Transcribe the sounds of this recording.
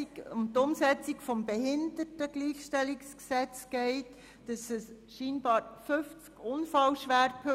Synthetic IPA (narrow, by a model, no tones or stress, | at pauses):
ʊmtʊmsɛt͡sikfɔmbɛɦɪndətəɡ̥liːxʃtɛlːiksksɛt͡sɡ̥ɛɪt | d̥ɑsɛs | ʃiːnb̥ɑːɾfʏft͡skʊnfɑlʃʋæɾkʰø